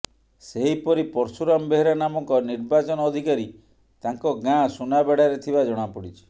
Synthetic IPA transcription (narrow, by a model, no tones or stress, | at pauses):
seɦipɔɾipɔɾsuɾambeɦeɾanamɔŋkɔniɾbat͡ʃɔnɔːd̪ʱikaɾi | t̪aŋkɔɡãsunabeɽ̤aɾet̪ʰibad͡ʒɔɽ̃apɔɽit͡ʃʰi̥